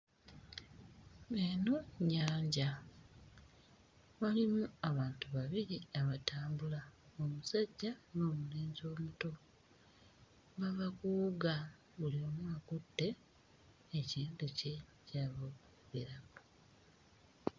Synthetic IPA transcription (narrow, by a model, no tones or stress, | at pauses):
enoɲaːɲɟa | βalimuaβaːntuβaβiɾiaβataːmbulaomusaɟːanoːmuleːnzo̞ːmuto̞ | βaβakuːɡa | βulio̞ːmwaːkutːe̞ː | ciːntuce̞caːβok | βeɾako